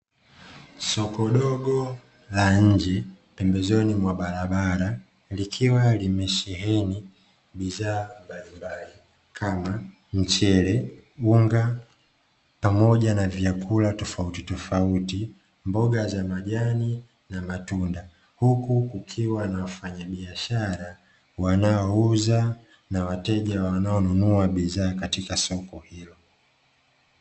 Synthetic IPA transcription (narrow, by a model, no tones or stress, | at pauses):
sɔkɔɗɔɡɔ | laɲ̩d͡ʒɛ | pɛmbɛzɔnimwaɓaɾaɓaɾa | likʰiwalimɛʃɛɦɛni | ɓizaːmbalimbali | kʰama | ɲ̩t͡ʃɛɾɛuŋɡa | pamɔʄanavjakʰulatɔfautitɔfauti | mbɔɡazamaʄani | namatunda | hukukukʰiwanawafaɲaɓiaʃaɾa | wanaɔuza | nawatɛʄawanaɔnunuaɓizaːkatikasɔkɔhilɔ